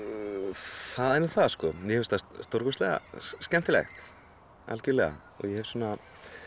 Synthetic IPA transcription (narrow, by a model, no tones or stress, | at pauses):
θaðɛnʏθaðskɔjɛhɛvst̪asst̪oɾkʏst̪lɛɣa̰scɛnt̪ɪlɛ̰xt̪ | a̰lcʏlɛɣa̰ | ɔ̰ɣjɛhɛvsuɔːna